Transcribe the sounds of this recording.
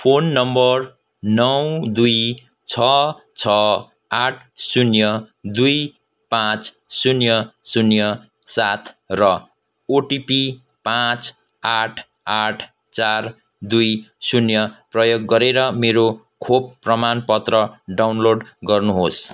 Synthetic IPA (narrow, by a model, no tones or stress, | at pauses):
pʰonːʌmbʌr | nʌwd̪uj | t͡sʰʌ | t͡sʰʌ | aʈʰsunjʌd̪uj | pãt͡ssunjʌsunjʌ | sat̪ʰrʌ | oʈipi | pãt͡s | aʈʰ | aʈʰ | t͡sar | d̪ujsunjʌprʌjoɡːʌɾeɾʌmeɾo | kʰob̚prʌmanpʌt̪rʌɖawnloɖɡʌrnuɦos